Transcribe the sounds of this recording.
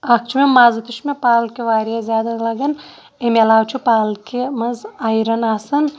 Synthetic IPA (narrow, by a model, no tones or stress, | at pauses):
ak̚t͡ʃʰumemaːzɐt̪uʃmepaːlkiʋaːɾjazʲjaːd̪ɐlɐɡɐn | emʲelaːwt͡ʃʰupaːlkimɐzajɾɐnaːsɐn